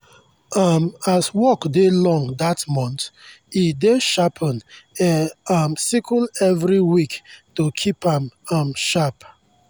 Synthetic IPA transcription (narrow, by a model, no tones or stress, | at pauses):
ʌmaswɔkdelɔ̃ŋdatmɔ̃nt | ideʃapʰə̃nɛʌmsikʰəlɛvɹiwiktokʰipãmʌmʃap